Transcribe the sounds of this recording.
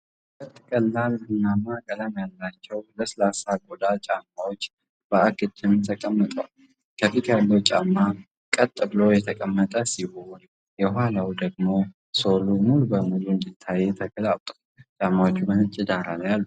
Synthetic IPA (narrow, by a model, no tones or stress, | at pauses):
ət̪ʼːkʼəlːalɨnːamːakʼələmjalːat͡ʃːɛwləsəlasaɡʼod̪at͡ʃʼamːawot͡ʃː | b̥əaɡɨd̪ːɪmt̪ʰəkʼəmːət̪ʼəwal | kʰəfit̪jalːəwt͡ʃʼamːa | kʼət̪ʼːɨbɨlo̞jɛt̪ʰəkʼəmːət̪ʼəsihon | jɛhhalawd̪əɡmo̞ | so̞lumulubəmuluɨnd̪it̪ʰːajːɛt̪ʰəkəlapt̪ʼu̥ | t͡ʃʼamːawot͡ʃːumənɨt͡ʃʼɪd̪aɾaljalːu